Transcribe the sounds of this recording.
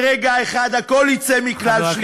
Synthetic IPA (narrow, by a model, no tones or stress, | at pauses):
ʁeɡaeχad̪hakolhit͡sɛmiklalʃl